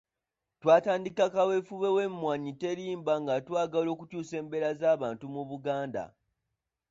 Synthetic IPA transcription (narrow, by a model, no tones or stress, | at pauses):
twaːtaːndikakawefuβe̞we̞mːwaɲite̞ɾiːmbaŋɡatwaːɡalo̞ːkucuːse̞ːmbe̞ɾazaːβaːntumuβuɡaːnda̰